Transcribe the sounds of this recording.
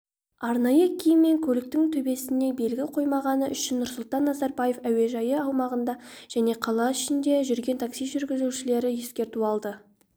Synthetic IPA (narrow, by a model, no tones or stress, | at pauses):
ɑɾnɑjəkʲʰejɪmːe̞ŋkʲʰɵlɪk̚t̪ɪŋt̪ʰɵbe̞sɪne̞be̞lɡʲɪqʰo̞jmɑʁɑnəʔʏʃɪnːʊɾsʊlˠt̪ɑnːɑzɑɾbɑje̞fæwe̞ʒɑjəɑwmɑʁənd̪ɑʒ̥æne̞qʰɑlˠɑʏʃɪnd̪e̞ʒʏɾɡʲe̞nt̪ʰaksijʒʏɾɡʲɪzuʃɪle̞ɾɪje̞skʲe̞ɾt̪uɑlˠd̪ə